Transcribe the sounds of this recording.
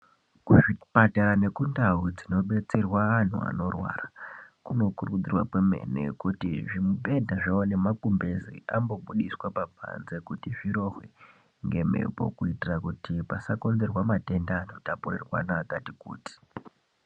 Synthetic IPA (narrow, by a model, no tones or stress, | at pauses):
kuʐipataɾane̞kundaud͡zino̞ɓe̞t͡se̞rwaːn̤ṵa̰no̞rwa̰ːrakuno̞kurukud͡zirwa̰kweme̞̰nḛkutiʐimupe̞ndaʐaone̞makumbezḭʔambo̞ɓuɗiswapabʱa̰nze̞kutiʐiɾo̞xwḛ | ŋɡe̞mḛpo̞̰kuitirakutipasako̞nd͡zerwamate̞ndaːnotaporerwa̰naɡatikṵːti̥